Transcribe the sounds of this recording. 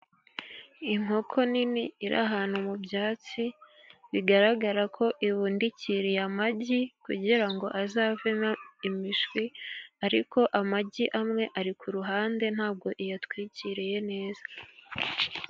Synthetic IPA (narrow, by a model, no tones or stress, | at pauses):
iŋ̥ho̞kʰo̞niniiɾʔa̰ɦaːn̥humubjaːt͡si | βiɡaɾaɡaɾakʰo̞ʔiβuːndiciɾijamaɟikṵɟiɾaŋɡo̞ʔazaːveimiʒɡwiaɾiko̞ʔamaɟiʔamŋe̞ʔaɾikʰuɾuɦaːnde̞n̥haːb̚ɡo̞ʔijatwiːciɾije̞ne̞ːzḁ